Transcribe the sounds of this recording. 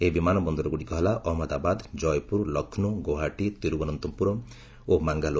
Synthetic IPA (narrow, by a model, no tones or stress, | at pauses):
ebimanɔbɔnd̪ɔɾɔɡuɽikɔɦelaʔɔɦɔmɔd̪abad̪d͡ʒɔjpuɾlɔkʰnuɡoɦaʈit̪iɾubɔnɔnt̪ɔmpuɾɔ | omaŋɡalo